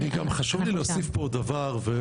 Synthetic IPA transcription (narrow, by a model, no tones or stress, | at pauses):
niɡamχaʃuvlileosifpod̪avaʁve